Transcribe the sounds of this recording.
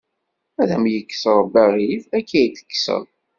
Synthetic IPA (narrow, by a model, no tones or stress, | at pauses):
æðæmjəkːsəɾˤbæɾiθækːæjθə̥kːsə̰ðˤ